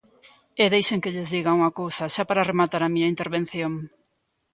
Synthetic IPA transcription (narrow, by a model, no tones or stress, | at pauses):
eðejʃeŋkɪʎɪzðiɣɐuŋɐkowsɐʃapaɾɐremat̪aɾɐmiɲɐint̪eɾβen̟θjoŋ